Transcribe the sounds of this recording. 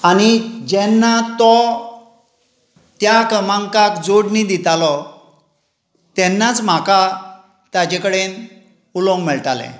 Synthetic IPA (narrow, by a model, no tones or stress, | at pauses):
aɽ̃id͡ʑɛnːat̪ɔ | t̪jakəmãŋkakd͡zoɽnid̪it̪alɔ | t̪ɛnːat͡sm̤aka | t̪ad͡ʑekəɽen | ulɔ̃ŋɡmɛɭʈalɛ̰̃